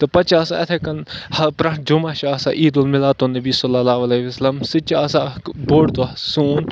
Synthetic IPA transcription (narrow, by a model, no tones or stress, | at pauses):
t̪ɨpɐt͡ʃaːsaɐt̪ʰekɐnhɐpɾɐ̃ʈ̚d͡ʒumaːʃaːsa̰ʔiːd̪ulmɪlaːt̪onɐbisɔlːɐlaːʋɐleʋɐsɐlɐmsɪt͡ʃaːsaboːɽt̪osuːn